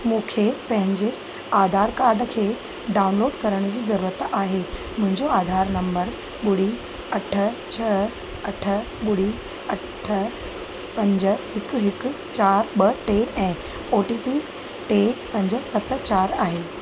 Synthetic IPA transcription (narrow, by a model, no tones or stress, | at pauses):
mũːkʰepɐ̃ɦɪ̃ɲd͡ʑe | aːd̪ʱaːɾkaːɾɖəkʰeː | ɖaːʊnloːɖkɐɾəɽ̃d͡ʑiːzɐɾuːɾət̪aːɦe | mʊ̃ɦɪ̃ɲd͡ʑoaːd̪ʱaːɾnɐ̃mbəɾ | ɓʊɽi | ɐʈʰə̆t͡ɕʰɐ | ɐʈʰə | ɓʊɽi | ɐʈʰə | pɐ̃ɲd͡ʑə̆hɪkɦɪk | t͡ɕaːɾɓɐʈeːɛ̃ː | oːʈiːpi | ʈepɐ̃ɲd͡ʑə̆sɐt̪t͡ɕaːɾaːɦeː